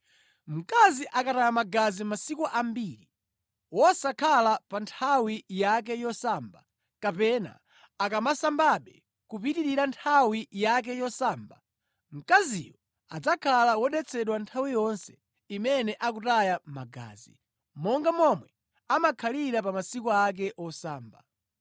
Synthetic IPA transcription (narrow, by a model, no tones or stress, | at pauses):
m̩kaziʔakatajamaɡazimasikuʔambiːɾi | wɔsakʰalapantʰawijak̬ɛjɔsaːmba | kapɛna̰ | akamasambaɓɛ | kupitiɾiɾantʰawijak̬ɛjɔsaːmba | m̩kazḭjɔ | ad͡zakʰalawɔɗɛt͡sʰɛɗwantʰawijɔnsɛ̥ | imɛnɛʔak̬utajamaɡa̰ːzi | mɔŋɡamɔmwɛ | amakʰaliɾapamasikuak̬ɛʔɔsaːmba